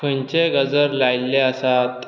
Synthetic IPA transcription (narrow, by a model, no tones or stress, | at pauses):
ənt͡ɕeɡəd͡zəɾlajlːeəsat̪